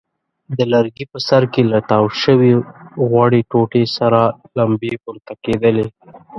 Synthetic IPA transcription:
d̪əlaɾɡipəsaɾkelaʈawʃəwiɣwaɽeʈoʈesaɾalambepʊɾt̪aked̪əle

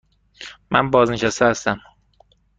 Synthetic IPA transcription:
mæ̰nbɒːzneʃæst̪eæst̪æm

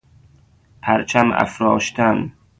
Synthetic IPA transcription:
pʰæɾt͡ʃʰæmæ̰fɾɒːʃt̪ʰæn

